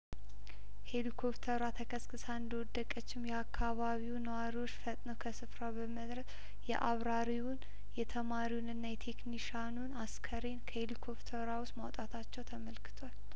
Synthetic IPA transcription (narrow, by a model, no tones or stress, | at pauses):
he̞likʰo̞pt̪ʰəɾat̪ʰəkʰəskʰʼɨsaɨnd̪əwɔd̪ːəkʼət͡ʃːɪmjɛakʰːaβaβiwnəwaɾiwo̞t͡ʃːfət̪ʼnəwkʰəsɨfɾawbəməd̪ɾəs | jɛ̰ʔaβɾaɾiwʊn | jɛt̪ʰəmaɾiwunɨnːajɛt̪ʰe̞kniʃanunaskʰəɾe̞nkʰəhelikʰo̞pt̪ʰəɾawʊst̪mawt̪ʼat̪ʰat͡ʃːɛwt̪ʰəməlkʰɨ̥t̪ʰwal